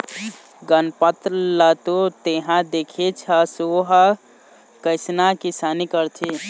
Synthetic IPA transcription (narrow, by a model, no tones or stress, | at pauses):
ɡənpət̪lət̪ot̪eɦãd̪ekʰet͡ʃʰəsoɦə | kəɪsnakisanikəɾt͡ʃ̪ʰi